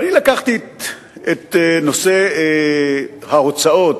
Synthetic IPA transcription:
anilakaχt̪i | et̪no̞se | haot͡sao̞t̪

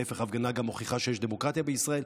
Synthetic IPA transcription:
efeχavɡanaɡamo̞χiχaʃejeʃd̪emo̞kʁat̪jabeisʁael

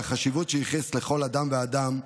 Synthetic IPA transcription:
aχaʃivutʃeiχesle̞χo̞lad̪amvead̪am

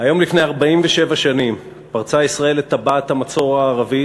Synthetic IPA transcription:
hajo̞mlifnejaʁbaimveʃe̞vaʃanim | paʁt͡saisʁae̞let̪abathamat͡so̞ʁaːʁavi

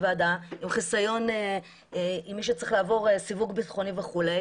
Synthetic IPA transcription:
vadaimχisajo̞ne | imːiʃ̬et͡sʁiχlaːvo̞ʁesivuɡbitχo̞niveχule

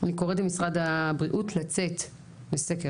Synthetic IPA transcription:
nikoʁetbemisʁadabʁiʔutlat͡set | beseke

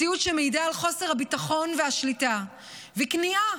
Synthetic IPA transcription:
ijutʃemejidaːlχo̞se̞ʁhabitaχo̞nveaʃlita | vɛknia

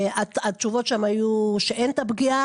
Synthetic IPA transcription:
atat͡ʃuvo̞tʃamajuʃeʔent̪abɡia

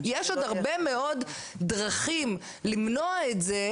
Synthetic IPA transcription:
jeʃod̪aʁbemeo̞d | dʁaχim | limnoaetze

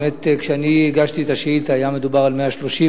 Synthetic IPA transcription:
et̪kʃeaniiɡaʃt̪iet̪aʃeitajame̞d̪ubaʁalmeaʃlo̞ʃi

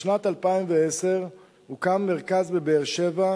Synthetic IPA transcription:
natalpaimveeseʁ | hukamːeʁkazbebeːʁʃeva

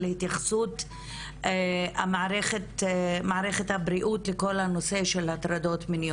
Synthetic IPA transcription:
lehit̪jaχsut | a̰maaɾeχet̪maaɾeχethabɾiʔutleko̞lano̞se̞ʃe̞lhat̪ɾado̞tminij

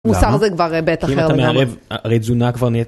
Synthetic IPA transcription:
musaʁzɛkvaʁbetaiimmatameaʁevʁed͡zunakvaʁnie

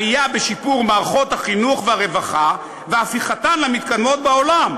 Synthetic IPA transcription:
ijabeʃipuʁmaːʁaχo̞t̪haχinuχveaʁe̞vaχa | veafiχat̪anlamit̪kad̪mo̞t̪̚bao̞lam

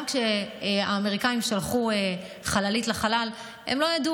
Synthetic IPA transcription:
mkʃeaːmeʁikaimʃalχue | χalalitlaχalal | ḛmlo̞jadu

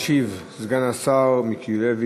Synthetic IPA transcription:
ʃiv | zɡanasaʁmikʰiulevi

